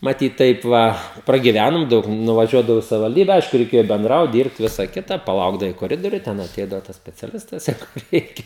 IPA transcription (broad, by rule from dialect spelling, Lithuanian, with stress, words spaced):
mɐˈtʲiːt ˈtɐɪp ʋɐ prɐɡʲɪˈʋʲænoːm ˈdɐʊk nʊʋɐˈʒʲuɔdɐʋɐʊ ɪ sɐʋʲɪʋɐlʲˈdʲiːbʲɛ ˈɐɪʃkʊ rʲɛɪˈkʲeːjoː bʲɛnˈdrɐʊt ˈdʲiːrpt ˈʋʲɪsɐ ˈkʲɪtɐ pɐˈlˠɐʊɡdɐʋɐɪ koːˈrʲɪdoːrʲʊj ˈtʲɛn ɐˈtʲɛɪdɐʋoː tɐs sʲpʲɛt͡sʲɛˈlʲɪstɐs ˈjɛɪɡʊ ˈrʲɛɪkʲɛ